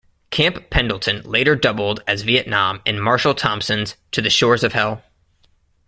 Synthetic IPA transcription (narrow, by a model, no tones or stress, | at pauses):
kʰæ̃mpʰɛ̃ndˡl̩ˠtʰɨ̃nleɪɾə˞dʌbl̩ˠdɨzviɨʔⁿnɑ̃mɨ̃nmɑɹʃl̩ˠtʰɑ̃mpsɨ̃nz̥tʰɨðɨʃɔɹzʌv̥hɛlˠ